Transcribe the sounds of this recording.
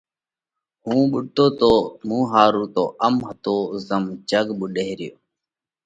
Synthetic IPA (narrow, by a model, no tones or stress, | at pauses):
ɦũːɓʊʈoːt̪oːmũːɦaːɾuːt̪oːʔəmɦət̪oːzəmd͡ʒəɡɓuɗeɦɾɪjo̰ː